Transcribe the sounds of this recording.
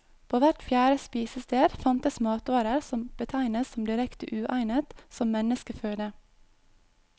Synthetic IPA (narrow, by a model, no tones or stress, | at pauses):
pʰoːʋæʈfjæːɾəspiːsəst̪eːɾfɑnt̪əsmɑːt̪ɑːɾəɾsɔmb̥ət̪ʰæɪnəssɔmd̪ɪɾɛkt̪ə̰ʔʉːʔæɪnət̪sɔmmɛnəskəføːd̪ə